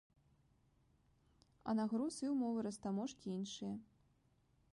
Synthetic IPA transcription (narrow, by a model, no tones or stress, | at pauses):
ɐ̰naɣɾusiwmɔvɨɾɐst̪amɔʂkʲiinʂɨjɐ